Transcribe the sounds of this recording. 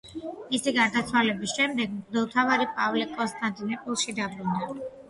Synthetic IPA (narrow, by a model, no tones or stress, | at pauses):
misiɡaɾd̪at̪sʰwalɛbisʃɛmd̪ɛɡmɡd̪ɔlˠt̪ʰavaɾipʼavlikʼɔnst̪ʼant̪ʼinɔpʼilˠʃid̪abɾund̪a